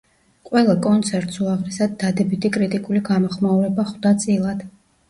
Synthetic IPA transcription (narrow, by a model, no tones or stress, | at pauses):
qʼwɛlˠakʼɔnt̪sʰɛɾt̪ʼsuaʁɾɛsad̪̚ːad̪ɛbit̪ʰikʼɾit̪ʼikʼuliɡamɔχmauɾɛbaχvd̪at̪sʼilˠad̪̥